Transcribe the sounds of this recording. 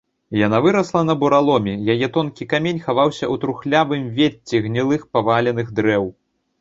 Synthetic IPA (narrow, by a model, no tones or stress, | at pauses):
janavɨɾɐslˠɐn̪ɐbuɾalˠɔmʲɛjajɛt̪ɔnkʲikamʲenʲxavawsʲɐʔut̪ɾuxlʲavɨmvʲet͡sʲːiɣnʲilˠɨxpavalʲɛnɨɣd̪ɾɛw